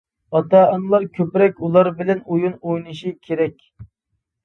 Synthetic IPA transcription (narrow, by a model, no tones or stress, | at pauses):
ɑt̪ɑɑnɨlˠɑɾkʲʰøpɾɛk̚ʲulˠɑɾbɪlɛnujunojnɨʃikʲʰeɾɛkʲ